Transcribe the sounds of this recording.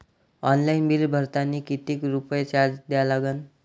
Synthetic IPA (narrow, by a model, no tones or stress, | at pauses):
ɔnlainbilbʱəɾt̪anːiːkit̪iːkɾupəjt͡ɕaɾd͡zd̪jjalaɡən